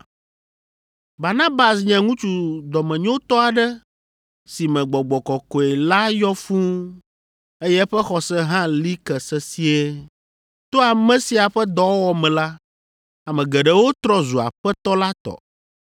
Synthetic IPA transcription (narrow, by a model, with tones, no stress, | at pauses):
ba˨nã˦ba˨sɲɛ̃˨ŋũ˦t͡ʃu˨d̪ɔ˨mɛ̃˨ɲõ˦t̪ɔ˦a˨ɖɛ˦ | si˨mɛ̃˨ɡ͡bɔ˨ɡ͡bɔ˨kɔ˨kɔ˨ɛ˨la˦jɔ˦fũ˦ | e˦jɛ˦ɸɛ˦xɔ˨sɛ˦ɦã˦li˦kɛ˨sɛ˦si˦e˦ | t̪o˦a˨mɛ̃˦si˦a˨ɸɛ˦d̪ɔ˨˦wwɔ˦mɛ̃˨la˦ | a˨mɛ̃˨ɡɛ˨ɖɛ˦wo˦t̪ɾɔ˦zu˨a̰˨ɸɛ˦t̪ɔ˦la˦t̪ɔ̰˨